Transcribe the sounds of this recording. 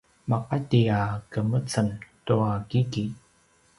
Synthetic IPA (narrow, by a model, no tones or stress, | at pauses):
mɑqɑtiakəmət͡səmt̪uakiki